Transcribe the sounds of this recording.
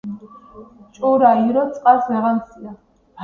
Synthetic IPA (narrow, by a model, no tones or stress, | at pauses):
t͡ʃʼuɾaiɾɔt͡sʼqʼasɛʁansia